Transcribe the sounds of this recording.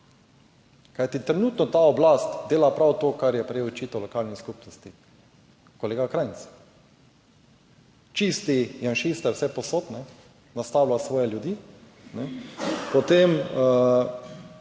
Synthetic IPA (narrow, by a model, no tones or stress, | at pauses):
kajt̪it̪ɾɛnuːt̪nɔt̪aɔblast̪d̪eːlapɾawt̪oːkaɾjɛpɾɛjeɔt͡ʃiːt̪ɔwlɔkaːlniskupnɔst̪i | koleːɡakɾajnt͡s̪s | t͡ʃist̪ijanʃist̪ɛɾwsɛpɔsoːt̪nɛ | nast̪awlasʋɔːjɛljud̪iː | nɛpɔt̪emə